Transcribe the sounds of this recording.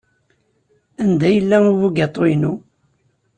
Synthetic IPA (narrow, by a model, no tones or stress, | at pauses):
ænd̪æjəlːæuvuɡɑt̪ˤːoinu